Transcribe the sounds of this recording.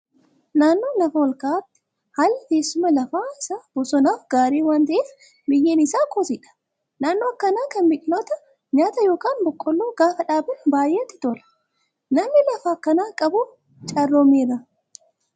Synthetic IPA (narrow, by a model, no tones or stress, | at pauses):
naːnːoːlɐfɐɔlkaːt̪ːɪ̥ | haːlːɪk̪eːsːʊmɐlɐfaːɪsaːb̥ʊsɔnaːfɡaːɾiːwaːnt̪ɐʔeːf | mɪjːɛnɪsaːkʰoːsɪᶑɐ̥ | naːnːoːɐkːɐnaːkɐnbɪᶑɪnɔt̪ɐ | ɲaːt̪ɐjo̞ːkaːnbɔkʼːɔlːoːɡaːfɐᶑaːbɪnbaːjʔeːt̪ːɪ̥t̪olɐ̥ | nɐmnɪlɐfaːkːɐnaːkʼɐbʊ | t͡ʃʼɐrːomiːɾɐ